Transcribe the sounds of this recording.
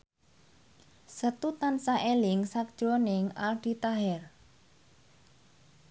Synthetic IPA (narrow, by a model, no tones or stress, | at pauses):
sət̪ut̪ansaʔelɪŋsak̚d̥ʒ̥onɪŋalɖ̥i̤t̪aɦɛr